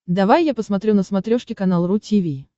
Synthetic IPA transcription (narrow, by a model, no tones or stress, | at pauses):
d̪ɐvajːapəsmɐt̪ɾʲunəsmɐt̪ɾʲoʂkʲɪkɐnalˠrutʲivʲij